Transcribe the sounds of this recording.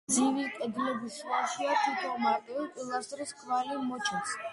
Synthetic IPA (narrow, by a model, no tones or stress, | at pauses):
d̪zivikʼɛd̪lɛbisaʃiat̪ʰit̪ʰɔmad̪ɛlkʼilˠast̪ʼɾiskʰvalimɔt͡ʃʰɛns